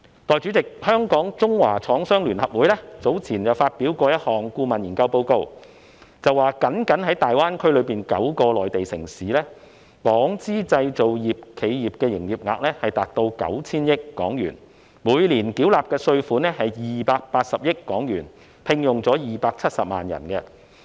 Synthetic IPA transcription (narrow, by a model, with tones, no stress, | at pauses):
t̪ɔː˨jt͡ʃy˨˥t͡sɪ˨k̚hœː˥ŋkɔː˨˥ŋt͡sʊ˥ŋwa̰ː˨˩t͡sʰɔː˨˥ŋsœː˥ŋlyː˨˩nhɐ˨p̚wuː˨jlɛː˥t͡so˨˥wt͡sʰiː˨˩njɐ˨wfaː˧t̚pi˨˥wkɔː˧jɐ˥t̚hɔː˨˩ŋkuː˧mɐ˨njiː˨˩nkɐ˧wpo˧wko˧w | t͡sɐ˨waː˨˩kɐ˨˥nkɐ˨˥nhɐ˨˥jt̪aː˨jwaː˥nkʰɵ˥ɥlɵ˨˧ɥpiː˨nkɐ̰˨˥wkɔː˧lɔː˨jt̪e˨jsɪ̰˨˩ŋsiː˨˦lɛː˥ | kɔː˨˥ŋt͡siː˥t͡sɐ˧jt͡so˨wjiː˨p̚kʰe˨˧jjiː˨˩p̚kɛː˧jɪ˨˩ŋjiː˨p̚ŋa̰ː˨k̚lɛː˥hɐ˨jt̪aː˨t̚t̪o˧wkɐ̰˨˥wt͡sʰiː˥njɪ˥kːɔ̰ː˨˥ŋjy̰ː˨˩n | muː˨˧jliː˨˩nkiː˨˥wlaː˨p̚kɛː˧sɵ˧ɥfuː˨˥nɛ˥hɐ˨jjiː˨paː˧k̚paː˧t̚sɐ˨p̚jɪ˥kːɔː˨˥ŋjyː˨˩n | pʰɪ˧ŋjʊ˨ŋt͡sɔː˨˥jiː˨paː˧k̚t͡sʰɐ˥t̚sɐ˨p̚ma̰ː˨njɐ̰˨˩nkɛ˧